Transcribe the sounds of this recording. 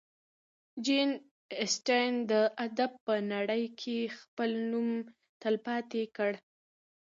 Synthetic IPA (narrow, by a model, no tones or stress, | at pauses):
d͡ʒin | ɪsʈajnd̪əʔad̪ab̚pənaɽəjkʰexpəlnum | t̪əlpɑt̪ekəɽ